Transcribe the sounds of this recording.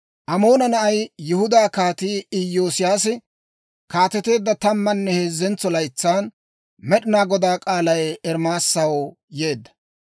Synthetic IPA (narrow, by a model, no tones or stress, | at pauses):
ʔɐmo̞ːnɐnɐʔɐjjɪhʊd̪aːkaːt̪iːɪjːo̞ːsɪjaːsɪ | kaːt̪ɛt̪e̞ːd̪ːɐt̪ɐmːɐnːɛheːzːɛnt͡sːɔlɐjt͡sːaːn | mɛɗɪnaːɡɔd̪aːkʼaːlɐjɛɾmaːsːɐwo | je̞ːd̪ːɐ̥